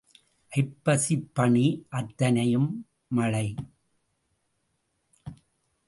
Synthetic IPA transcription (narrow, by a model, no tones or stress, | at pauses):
ʔɐɪpːɐsipːɐɳiʔɐt̪ːɐnɐjɯmː | ɐɻɐɪ